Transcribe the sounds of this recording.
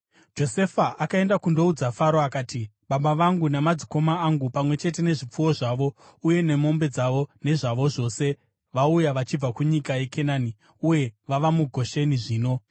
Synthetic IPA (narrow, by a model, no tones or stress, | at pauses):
d͡ʒo̞se̞faʔakae̞ndakundo̞ud͡zafaɾoakaːti | ɓaɓaʋaŋɡunamad͡ziko̞maːŋɡupamwe̞t͡ʃe̞t̬e̞ne̞ʐip͡fuwo̞ʐaːʋo̞ | uje̞ne̞mo̞mbe̞d͡zaʋo̞ne̞ʐaʋo̞ʐo̞ːse̞ | ʋaujaʋat͡ʃib͡vakuɲikaje̞ke̞naːni | uje̞ʋaʋamuɡʱo̞ʃe̞niʐiːno̞